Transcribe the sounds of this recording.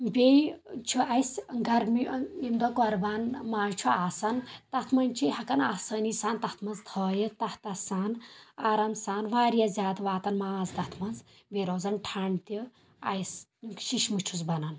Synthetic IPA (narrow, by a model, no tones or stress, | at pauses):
bʲejt͡ʃʰuʔɐjsɡɐɾmiind̪okɔɾbaːnmaːzt͡ʃʰuaːsɐnt̪ɐt̪ʰmɐnʲt͡ʃʰihɐkɐnaːsɐːnisaːnt̪ɐt̪ʰmɐnzt̪ʰoːjit̪ɐht̪ɐsaːnaːɾɐmsaːnʋaːɾijɐzʲaːd̪ʋaːt̪ɐnmaːzd̪ɐt̪ʰmɐnz | beɾoːzɐnʈʰaɳt̪i | ɐ̰jsʃiʃmut͡ʃʰuzbɐnɐn